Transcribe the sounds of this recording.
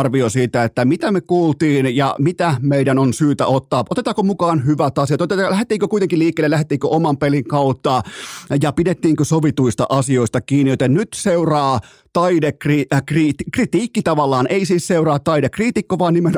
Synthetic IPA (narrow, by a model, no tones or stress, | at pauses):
rʋiosiːt̪æet̪ːæmit̪æmekuːlt̪iːnjɑ̰mit̪æmeidænonsyːt̪æ̰ot̪ːɑːʔot̪et̪ɑːkomukɑːnhyʋæt̪ɑsiɑt̪ot̪et̪ːɑlæhet̪ːˑiːŋkøkuit̪eŋkiliːkˑːeːlelæhet̪ːˑiːŋkøʔomɑmpeliŋkɑut̪ːɑjɑpidet̪ːiːŋkøsoʋit̪uist̪ɑ̰ʔɑsioist̪ɑkiːnːijot̪ennyt̪seurɑː | t̪ɑidekrikriːt̪krit̪iːkːit̪ɑʋɑlːɑːnʔeisiːsseurɑːt̪ːɑidekriːt̪ikːoʋɑːnnimen